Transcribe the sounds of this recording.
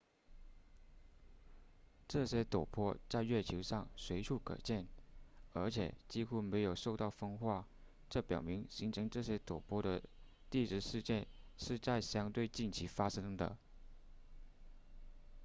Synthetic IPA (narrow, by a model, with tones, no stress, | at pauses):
ʈ͡ʂɤ˥˩ɕjɛ˥t̪o˨˩ʊpʰwɔ˥t͡sa˥˧ɪɥɛ˥˩t͡ɕʰo˧˥ʂɑ˥˩ŋswe˧˥ɪʈ͡ʂʰu˥˩kʰɤ̰˨˩t͡ɕjɛ˥˩nə˞˧˥t͡ɕʰjɛ̰˨˩t͡ɕi˥xu˥me˧˥ɪjo˨˩ʊʂo˥˧ʊt̪ɑ˥˩ʊfɤ˥ŋxwa˥˩ | ʈ͡ʂɤ˥˩pjɑ˨˩ʊmi˧˥ŋɕi˧˥ŋʈ͡ʂʰɤ˧˥ŋʈ͡ʂɤ˥˩ɕjɛ˥t̪o˨˩ʊpʰwɔ˥˩d̪ə˨ | t̪i˥˧ʈ͡ʂɻ̩˥˩ʂɻ̩˥˧t͡ɕjɛ˥˧nʂɻ̩˥˧t͡sa˥˩ɪɕjɑ˥ŋt̪we˥˧ɪt͡ɕi˥˩nt͡ɕʰi˧˥fa˥ʂɤ˥ŋd̪ə̰˨